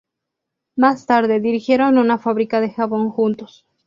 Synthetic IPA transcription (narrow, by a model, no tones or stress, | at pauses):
mast̪aɾðeðiɾixje̞ɾo̞nunafaβɾikaðe̞xaβo̞ŋxunt̪os